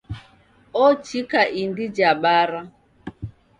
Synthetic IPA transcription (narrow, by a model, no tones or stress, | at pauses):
ɔt͡ʃikaʔindid͡ʒaɓaɾa